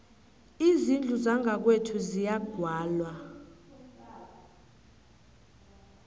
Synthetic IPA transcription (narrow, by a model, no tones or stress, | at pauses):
izind͡ɮʱuzaŋʱak̬wetʰuzijaɡ̥ʱwaːlwa